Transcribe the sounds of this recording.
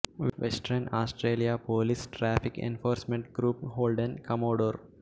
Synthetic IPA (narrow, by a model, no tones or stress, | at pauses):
ʋʔesʈɾɐnaːsʈɾeːlijapoːlisʈɾæːfikḛnfoːɾsmẽɳʈɡɾuːpɦoːlɖẽnkɐmoːɖoːɾ